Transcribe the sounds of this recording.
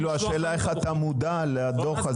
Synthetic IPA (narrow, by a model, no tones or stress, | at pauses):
luaʃeːlaeχat̪amud̪alead̪oχa